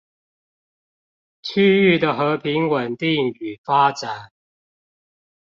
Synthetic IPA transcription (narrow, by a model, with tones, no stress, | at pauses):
t͡ɕʰy˥y˥˨d̪ə˩xɤ˨˦pʰi˨˧˥ŋwə˨˩nt̪i˥˩ŋy˨˩fa˥ʈ͡ʂa˨˩˦n